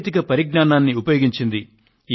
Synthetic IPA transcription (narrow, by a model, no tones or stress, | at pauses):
t̪ikɐpɐɾiɡɳaːnaːnːiupɐjoːɡiɲt͡ʃind̪i